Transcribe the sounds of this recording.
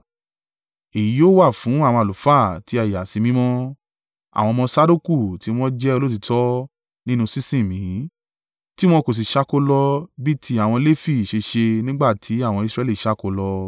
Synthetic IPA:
e˨ji˨˦o˦wa˦˨fũ˨˦a˦˨w̃ɔ̃˧a˨lu˨fa˦˨ti˧˦a˧˨ja˨si˧mĩ˦mɔ̃˦ | a̰˨w̃ɔ̃˧mɔ̃˧sa˦du˦ku˦˨ti˨˧˦w̃ɔ̃˦d͡ʒɛ˦o˧lo˦t̬i˧tɔ˦ | nĩ˦nũ˧sĩ˦sĩ˦˨mĩ˨˦ | ti˦w̃ɔ̃˧ko˨s̬i˨ʃa˦ko˦lɔ˧bi˦tʰi˦a˦˨w̃ɔ̃˧le˦fi˦˨ʃe˧ʃe˧nĩ˦ɡ͡ba˦˨tʰi˨˦a˦˨w̃ɔ̃˧i˧sɾɛ˧li˦˨ʃa˦ko˧lɔ˧

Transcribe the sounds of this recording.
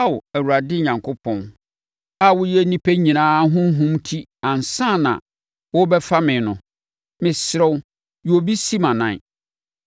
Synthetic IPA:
a˦wʊ˨æ˨wu˨ɾa˨dɪ˦ɲã˨ŋkʰo˦pʰɔ̃˦n | a˨wʊ˦jɛ˦nĩ˦pʰe˦ɲĩ˨nãː˦ɦʊ̃˦ɦʊ̃˦mtʰi˦ã˨n˨sã˦˨nã̰˨ | wʊ˦bɛ˦fa˦mɪ̃˨nʊ̰̃˨ | mɪ̃˨sɾɛ˦w | jo˨bi˦si˦mã˨nã̰˨

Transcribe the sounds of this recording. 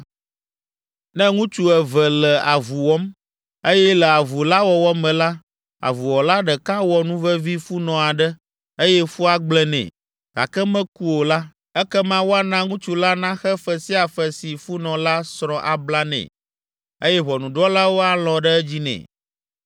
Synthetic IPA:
nɛ̃˦ŋũ˦t͡ʃu˦ɛ˨vɛ˨lɛ˨a˨vu˨wɔ˦m | e˦jɛ˦lɛ˨a˨vu˨la˦wɔ˨wɔ˦mɛ̃˨la˦ | a̰˨vu˨wɔ˨la˦ɖɛ˨ka˦wɔ˨nũ˦vɛ˦vi˦fu˦nɔ̃˨a˨ɖɛ˦ | e˦jɛ˦fu˦a˦ɡ͡blɛ˦nɛ̰̃˨ | ɡ̥a̰˨kɛ˦mɛ̃˦ku˦o˨la˦ | ɛ˦kɛ˦mã˦wo˦a˦nã˦ŋũ˦t͡ʃu˨la˦nã˦xɛ˦fɛ˦si˦a˨fɛ˨si˨fu˦nɔ̃˨la˦sɾɔ˦ʔa˨bla˦nɛ̰̃˨ | e˦jɛ˦βɔ˨nũ˨ɖɔ˦la˦wo˦a˨lɔ̃˨ɖɛ˦ɛ˦d͡ʑi˦nɛ̰̃˨

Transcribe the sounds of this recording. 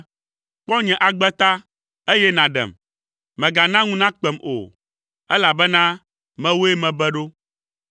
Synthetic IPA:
k͡pɔ˦ɲɛ̃˨ʔa˨ɡ͡bɛ˦t̪a˦ | e˦jɛ˦nã˨ɖɛ̰˨m | mɛ̃˨ɡa˨nã˦ŋũ˦nã˦k͡pɛ˨mo̰˨ | ɛ˦la˨bɛ˦nã˦ | mɛ̃˦wo˦e˦mɛ̃˨bɛ˦ɖo˦

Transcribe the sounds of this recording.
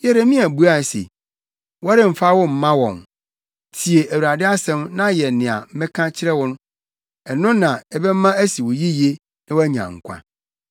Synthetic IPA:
jɛ˦ɾa˨mĩ˦æ˨bu˦a˦˨sḛ˨ | wɔ˦ɾɪ̃˨m̩˨fa˦wɔ˦m̩˨mã˦wɔ̰̃˨n | tʰi˨e˨ʔæ˨wu˨ɾa˨dɪ˦a˦sɛ̃˦mnã˦jɛ˨nɪ̃˨a̰˨m̩˦mɛ̃˦kʰã˦t͡ɕʰɪ˦ɾɛ˦wɔ˦nʊ̃˦ | ɛ˨nʊ̃˦nã˨ɛ˦bɛ˦mã˦æ˦si˨wʊ˨ji˦je˦ | nã˦wæ˦ɲã̰˨ŋ̩˨kʷʰã̰˦

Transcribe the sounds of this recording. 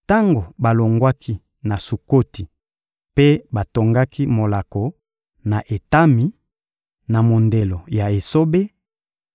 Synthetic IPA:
ta˦ŋɡo˨ba˨lo˨ŋɡwa˦kʰi˦ | na˨su˨ko˦ti˨ | pe˦ba˨to˨ŋɡa˦ki˦mo˨la˨ko˨ | na˨ʔe˨ta˦mi˨ | na˨mo˨nde˨lo˨ja˨e˨so˦be˦

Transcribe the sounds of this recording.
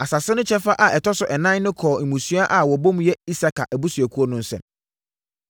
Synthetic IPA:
a˨sa˨sɪ˦nʊ̃˦t͡ɕʰɛ˦fa˦ʔa˨ʔɛ˨tʰɔ˦sʊ˨ʔɛ˨nã˦nʊ̃˦kʰɔː˨m̩˨mũ˨sɥa˦ʔa˨wɔ˨bõ˦m̃˦jɛ˦i˦sa˦kʰa˨ʔæ˨bu˦sɥæ˨kʰu˦ɔ˦nʊ̃˨n̩˦sɛ̰̃˨m

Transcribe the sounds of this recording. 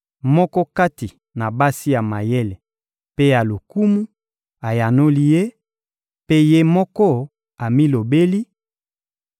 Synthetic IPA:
mɔ˦kɔ˦ka˦ti˨ | na˨ba˦si˦ja˨ma˨je˦le˨ | pe˦ja˨lo˨ku˦mu˦ | a˨ja˨no˦li˦je˦ | pe˦je˦mɔ˦kɔ˦ | a˨mi˦lo˨be˦li˦

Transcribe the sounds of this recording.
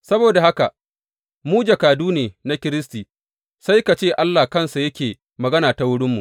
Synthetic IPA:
sɐ˦boː˨da˨ha˦ka˨ | muː˦d͡ʒa˨kaː˨duː˦neː˨na˦kʲɪ˦ɾɪ˦stiː˨ | sa˦jka˨t͡ʃeː˦˨ʔa˦lːa˨kɐ˦˨nsa˨jɐ˦kʲeː˨ | mɐ˨ɡɐ˦naː˨ta˨wʊ˦ɽɪ˦mːṵ˨ʔ

